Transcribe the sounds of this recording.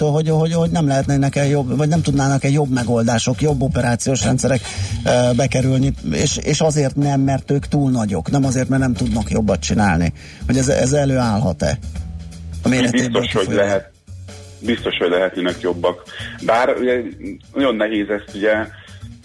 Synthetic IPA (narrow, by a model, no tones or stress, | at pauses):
t̪oːlɦo̞ɟɦoɟho̞ɟnɛmlɛɦɛt̪nɛnɛkɛjo̞bvɒɟnɛmt̪ud̪naːnɒkɛjo̞bːmɛɡo̞ld̪aːʃo̞kjo̞bːopɛɾaːt̪sijoːʃrɛnt̪sɛɾɛk | bɛkɛɾylniḛːʃeːʃɒzeːrt̪nɛmːɛrt̪øːkt̪uːlnɒɟo̞knɛmɒzeːrt̪mɛrnɛmt̪ud̪nɒkjo̞bːɒt̪t͡ʃinaːlnḭ | ho̞ɟɛzɛ̰zɛløːaːlɦɒ̰t̪ɛ̰ | ɒmeːlɛbieːt̪oʃholɛɦɛt̪̚ | bist̪o̞ʃhoɟlɛɦɛt̪nenɛkjo̞bːɒkbaːrṵɟɛnɒjo̞nːɛɦeːzɛst̪uɟɛ